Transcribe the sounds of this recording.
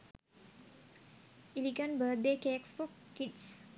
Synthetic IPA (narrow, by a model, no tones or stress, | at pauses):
iliɡənbəd̪ekekspokːids